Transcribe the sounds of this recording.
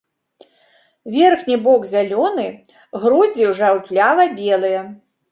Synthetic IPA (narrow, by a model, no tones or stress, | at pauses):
vʲɛrxnʲibɔɡzʲalʲɔnɨ | ɣɾud͡zʲiwʐawt̪lʲavɐbʲɛlˠɨjɐ